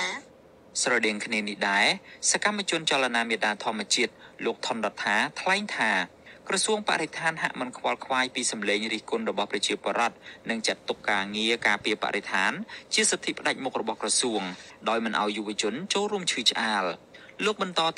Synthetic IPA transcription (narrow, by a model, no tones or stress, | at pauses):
srɑɗɛəŋkʰniənihɗaɛsakamːat͡ɕʊənt͡ɕalːanaːmiət̪̚ɗaːt̪ʰŏəmːɛ̆ət͡ɕiət̪̚loːk̚t̪ʰonɗɑt̪ʰːaːt̪ʰlaɛŋt̪ʰaː | krɑsuəŋpa̰ʔɾet̪ʰaːnɦa̰ʔmɨnkʰʋalkʰʋaːjpiːsɑmleːŋriːhkʊnrɔɓɑhprɑt͡ɕiəpŏəɾŏət̪̚nɨŋt͡ɕət̪ːukːaːŋiəkaːpiəpa̰ʔɾet̪ʰaːnt͡ɕiəsət̪ʰːipə̆ɗac̚mʊk̚rɔɓɑhkrɑsuəŋ | ɗaɔjmɨnʔa̰ɔjːuʋət͡ɕʊ̆ənt͡ɕoːlruəmt͡ɕʰɨːt͡ɕʔaːl | loːk̚ɓɑnt̪ɑːt̪